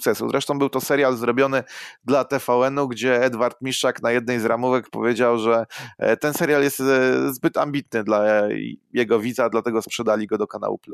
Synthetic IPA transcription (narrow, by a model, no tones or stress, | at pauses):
ukt̪sɛsuzɾʔɛʂt̪ɔ̃w̃bɘwt̪ɔsɛɾjalzɾɔbʲjɔnɘd̪lat̪ɛfawɛnuɡd͡ʑɛɛd̪vaɾt̪mʲiʂaknajɛd̪nɛjzɾamuvɛkpɔ̰vʲjed͡ʑawʐɛt̪ɛnsɛɾʲjaljɛst̪zbɘt̪ambʲit̪nɘd̪la | jɛɡɔvʲid̪zad̪lat̪ɛɡɔspʂɛd̪alʲiɡɔd̪ɔkana̰wṵplu